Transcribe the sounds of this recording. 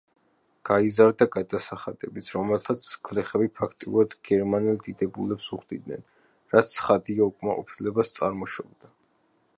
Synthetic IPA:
ɡ̥aizaɾd̪aɡad̪asaχad̪̥ɛbit̪sʰɾɔmɛlˠt̪ʰat̪sʰkʰvlɛχɛbipʰakʰt̪ʼiuɾad̪ɡ̥ɛɾmanɛlˠd̪id̪ɛbulɛpsuχd̪id̪nɛ̰n | ɾat̪sʰχad̪iaukʼmaqʼɔ̰pʰilɛbast̪sʼaɾmɔʃɔbd̪a

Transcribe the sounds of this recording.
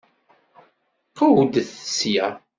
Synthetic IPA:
qawd̪θəsjæ

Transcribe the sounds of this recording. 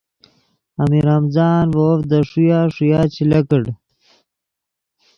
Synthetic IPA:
amiɾamzɑːnwoːfd̪əʂujaːʂujaːt͡ɕilakəɽ

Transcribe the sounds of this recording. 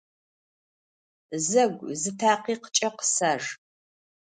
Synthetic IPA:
zɐɡʷzɨtʰaːqiːqə̥t͡ʃʼɐqə̥saːʐ

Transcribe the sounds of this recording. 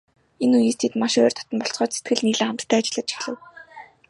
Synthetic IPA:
enujiːst̪ʰet̪maʃœːrt̪ʰɔ̥t̪ɞ̆mpɔɬt͡sɢɔːt͡ɕset̪̚ɡɘ̆ɮniːɮɘːχamt̪ʰt̪ʰːæːat͡ɕɪ̆ɮə̆t̪t͡ɕʰi̥xɮɘ̆w

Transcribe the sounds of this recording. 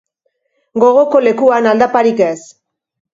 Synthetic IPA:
ɡo̞ɣ̞o̞ko̞le̞kuanald̪apaɾikes

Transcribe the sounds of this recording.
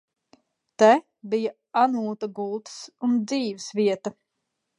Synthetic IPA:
t̪ɛ | bija | anuːt̪aɡulˠt̪sund̪ziːvsviɛt̪ɐ

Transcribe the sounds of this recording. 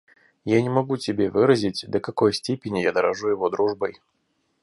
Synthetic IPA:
janʲɪmɐɡutʲɪbʲevɨɾəzʲɪtʲd̪əkɐko̞jsʲtʲepʲɪnʲɪjad̪əɾɐʐujɪvo̞d̪ɾuʐbəj

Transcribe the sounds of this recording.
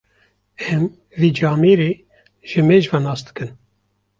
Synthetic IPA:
ɛm | viːd͡ʒɑːmeɾeː | ʒ̥ɨmeːʒvanɑːsd̪ɨ̥kɨn

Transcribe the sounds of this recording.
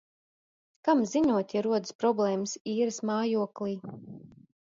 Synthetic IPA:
kamziɲuɔt̪ʲjaɾuɔd̪ɨspɾɔblˠɛːmɨsiːɾɨsmaːjuɔklˠiː

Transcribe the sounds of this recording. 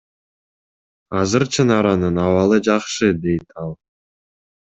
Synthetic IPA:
ɑzɨɾt͡ʃʰənɑɾɑnɯnɑwɑlˠəd͡ʒɑχʃɨd̪ejt̪ʰɑlˠ

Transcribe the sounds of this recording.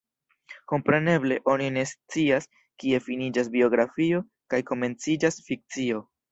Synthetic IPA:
ko̞mpɾe̞ne̞ble̞ʔo̞nine̞st͡sias | kie̞finid͡ʒasbio̞ɡɾafio̞ | kajko̞me̞nt͡sid͡ʒasfik̚t͡sio̞

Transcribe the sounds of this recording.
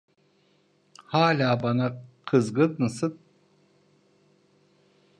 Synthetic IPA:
haːlʲaːbanaqʰɯzɡɯd̪nɯsɯt̪̚

